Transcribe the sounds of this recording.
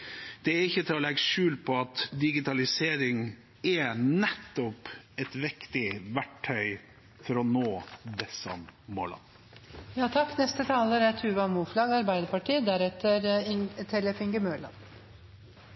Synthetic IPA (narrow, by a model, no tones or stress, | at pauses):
d̪̥ɛæɾɪçːət̪ʰɪlɔlɛɡəʃʉːlt̪̚pʰɔɑt̪d̪ɪɡɪt̪ʰɑlɪseːɾɪŋ | ɛnɛt̪ːɔp | ɛt̪ʋɪkt̪ɪʋæʈʰːœʏ | fɔɾɔnoːd̪ɛsɑ̰mmo̰ːlɑ̰n | jɑːt̪ʰɑkːnɛst̪ət̪ʰɑːləɾæt̪ʰʉːʋɑmuːflɑːɡɑɾbæɪd̪əɾpɑʈiːd̪æɾɛt̪ʰəɾɪt̪ʰɛləfɪŋɡəmøːɭɑ̰n